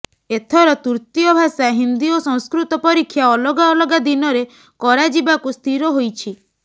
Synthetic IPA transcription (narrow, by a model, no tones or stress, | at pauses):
et̪ʰɔɾɔt̪uɾt̪ijɔbʱasaɦind̪iɔsɔ̃ŋ̃skɾut̪ɔpɔɾikʰːjaɔlɔɡaɔlɔɡad̪inɔɾe | kɔɾad͡ʒibakust̪ʰiɾɔɦojt͡ʃʰi